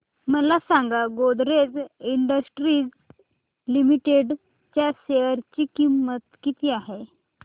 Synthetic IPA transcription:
məlasaŋɡaɡod̪ɾed͡ziɳɖəsʈɾiːd͡z | limiʈeɖ | t͡ɕjaseʋəɾt͡ɕiːkimːət̪kit̪iːaɦe

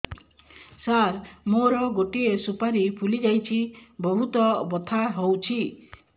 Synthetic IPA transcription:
saɾmoɾɔɡoʈiesupaɾipʰulid͡ʒajt͡ʃʰibɔɦut̪ɔbɔt̪ʰaɦowt͡ʃʰi

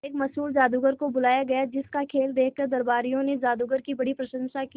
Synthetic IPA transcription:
eːkmɐsuːlzaːd̪uɡəɾkobʊlaːjaɡɐjad͡ʒɪskakʰeːld̪eːkʰkɐɾd̪ɐɾbaːɾijõned͡ʒaːd̪uɡəɾkibɐɽipɾɐʃə̃nʃaki

